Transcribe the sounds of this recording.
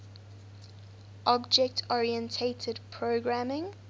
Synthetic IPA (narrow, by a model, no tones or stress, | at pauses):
ʔɔbd͡ʒɛk̚tʰɔɹiə̃ntʰetʰədpʰɹoɡɹamɪ̃ŋ